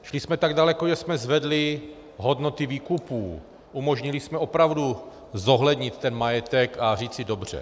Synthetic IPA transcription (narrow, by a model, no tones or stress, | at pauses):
ʃlɪsmɛt̪aɡdalɛkoʒɛsmɛzvɛdlɪ | ɦo̞dno̞t̪ɪviːkupuː | ʔumo̞ʒɲɪlɪsmɛopɾavdu | zo̞ɦlɛdɲɪt̪ːɛnmajɛt̪ɛkariːt͡sɪdo̞br̝̥ɛ̰